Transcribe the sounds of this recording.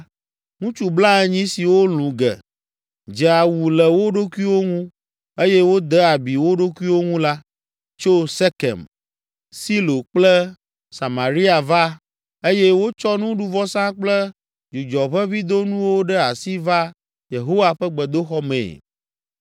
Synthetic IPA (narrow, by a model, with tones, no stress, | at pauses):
ŋũ˦t͡ʃu˨bla˦ɛ˦ɲĩ˦si˨wo˦lũ˨ɡɛ̰˨ | d͡ʒɛ˨a˨wu˨lɛ˨wo˦ɖo˦ku˦i˦wo˦ŋũ˦ | e˦jɛ˦wo˦d̪ɛ˦a˨bi˨wo˦ɖo˦ku˦i˦wo˦ŋũ˦la˦ | t͡ʃo˦sɛ˦kɛ̰˨m | si˦lo˨k͡plɛ˦ | sa˨mã˨ɾi˦a˨va˦ | e˦jɛ˦wo˦t͡ʃɔ˦nũ˦ɖu˦vɔ˦sã˦k͡plɛ˦ | d͡ʒu˨d͡ʒɔ˨ɸɛ˦vi˦d̪o˦nũ˦wo˦ɖɛ˦a˨si˦va˦ | je˨ɦo˦wa˦ɸɛ˦ɡ͡bɛ˨d̪o˦xɔ˦mḛ̃˨